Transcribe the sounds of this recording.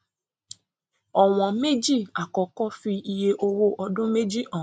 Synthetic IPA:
ɔ˨w̃ɔ̃˨me˦d͡ʒi˦˨a˨kɔ˨kɔ˦fi˧i˧je˦ʔo˧wo˦ʔɔ˧dʊ̃˦me˦d͡ʒi˦ʔɔ̃˨

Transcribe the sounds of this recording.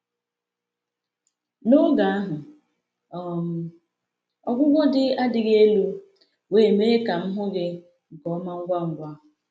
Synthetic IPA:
no˦ɡa˨a˦ɦʊ˨ | ɔ˨m̩˨ | ɔ̰˦ɡʷʊ˦ɡʷɔ˦dɪ˦a˦dɪ˨ɣe˦lu˦ | weː˦˨me˦ka˨m̩˦ɦʊ˦ɡɪ˦˨ | ɡɔ˨˦ma˦ŋ̩˦ɡʷa˦ŋ̩˨ɡʷa˦˨

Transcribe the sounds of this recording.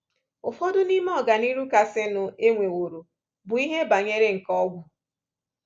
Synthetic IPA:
ʊ˨fɔ˦dʊ˦ni˦m˦ɔ˨ɡa˨ni˦ɾu˦ka˨sɪ˦nʊ˨e˦ŋʷe˨wo˨ɾo˨ | bʊ˨i˦ɦe˦ba˨ɲe˦ɾe˦ŋ̩˨kɔ˦ɡʷʊ˨

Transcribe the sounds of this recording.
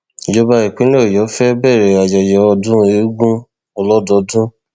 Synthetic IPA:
d͡ʒɔ˦ba˧i˨k͡pĩ˨˦nĩ˦o˦˨jɔ˨˦fɛ˦bɛ˦˨ɾɛ˨a˨d͡ʒa˨d͡ʒɔ˨ɔ˧dũ˦e˨˦ɡũ˦ | o˧lɔ˦dɔ˧˦dũ˦

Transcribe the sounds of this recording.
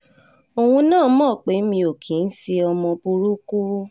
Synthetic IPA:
o˨wũ˧nãː˦˨˦mɔ̃˦˨k͡pe˨˦mĩ˧o˨kʰi˨˦n̩˦si˧ɔ˧mɔ̃˧bu˧ɾu˦ku˦

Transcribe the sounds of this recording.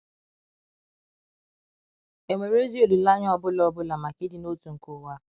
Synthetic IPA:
e˨ŋʷe˨ɾe˦zi˦o˦˨du˨la˦ɲ˦ɔ˦bʊ˦lɔ˦bʊ˦la˨ma˨ki˦dɪ˨˦no˦tu˨ŋ̩˨ko˨wa˦˨

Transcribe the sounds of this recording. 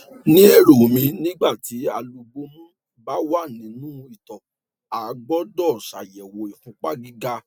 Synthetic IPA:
nĩ˨˦e˦˨ɾo˨mĩ˧nĩ˦ɡ͡ba˦˨ti˨˦a˧lu˧ɡ͡bo˧mũ˦ | ba˦wa˦˨nĩ˨˦nũ˦i˦˨tɔ˨ | a˨˦ɡ͡bɔ˦dɔ˦˨ʃa̰˨jɛ˨wo˨i˨kũ˧˦k͡pa˦ɡi˦ɡa˦

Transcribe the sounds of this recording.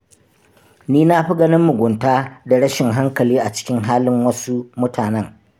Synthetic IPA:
niː˦na˦ɸi˦ɡɐ˦nɪ˦mːʊ˨ɡʷʊ˨ntaː˦da˨ɽɐ˦ʃɪ˨ŋɦa˦ŋkɐ˨liː˦ʔa˨t͡ʃɪ̥˦kʲɪ˦ŋɦaː˦lɪ˦ŋwɐ˦su˦mʊ˦tʰaː˨nɛ˦ŋ

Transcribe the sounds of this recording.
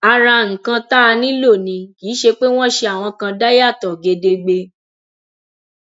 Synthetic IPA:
a˧ɾa˧ŋ̩̃˨kã˧ta˦˧nĩ˦lo˦˨nĩ˧kiː˨˦ʃe˧k͡pe˦w̃ɔ̃˦ʃe˧a˨w̃ɔ̃˧kã˧da˦ja˦˨tɔ˨ɡe˧de˧ɡ͡be˧

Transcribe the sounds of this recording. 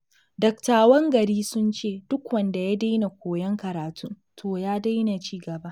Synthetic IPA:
dɐ˨ktaː˨wɐ˦ŋɡɐ˨ɾiː˦sʊ˦nt͡ʃeː˦˨d̥ʊ˦kwɐ˨nda˨ja˦da˦jna˨kʷoː˨jɐ˦ŋkɐ˨ɾaː˨tʰʊ˦n | tʰoː˨jaː˦da˦jna˨t͡ʃiː˦ɡɐ˨ba˦ʔ

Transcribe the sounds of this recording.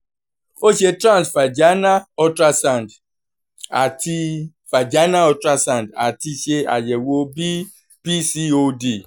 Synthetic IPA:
o˦ʃe˦tɾã˦˨nsfa˨d͡ʒa˦na˦ɔ˦tɾa˦sã˦˨nd | a˨ti˦ | fa˨d͡ʒa˦na˦ɔ˧tɾa˦sã˦˨nda˨ti˧ʃe˧a̰˨jɛ˨wo˧bi˦ | pi˦si˦o˦di˦˨

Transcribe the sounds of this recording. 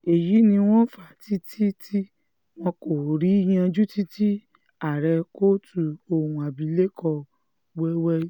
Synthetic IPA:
e˨ji˨˦nĩ˧w̃ɔ̃˦fa˦˨ti˦tʰi˦ti˦ | w̃ɔ̃˧ko˨ɾi˨˦j̃ã˧d͡ʒu˦ti˦ti˦ | a˦˨ɾɛ˧ko˦tu˧o˧hũ˧a˨bi˨˧˦le˦kʰɔ˧ | wɛ˦wɛ˦

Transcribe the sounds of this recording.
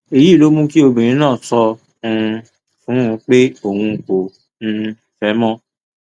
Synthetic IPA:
e˨ji˦˨lo˨˦mũ˦ki˦o˧bĩ˨ɾ̃ĩ˨˦nãː˦˨sɔ˧ | ũ˧ | fũ˨˦˧k͡pe˦o˨hũ˧˨k͡po˨ | ñ̩˧˨fɛ˨˦mɔ̃˦

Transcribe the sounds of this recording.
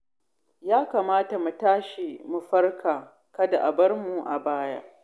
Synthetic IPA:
jaː˦kaː˨maː˦ta˨mu˨taː˦ʃi˨mu˨ɸɐ˦rkʰaː˨ | kɐ˦da˨ʔa˨bɐ˦rmu˨ʔa̰˨baː˦ja̰˦

